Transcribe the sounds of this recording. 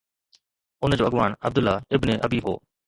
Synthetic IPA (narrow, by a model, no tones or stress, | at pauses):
ʊnd͡ʑoːəɠʋaːɳə̰bd̪ʊlːaːɪbneʔəbiːɦo̰ː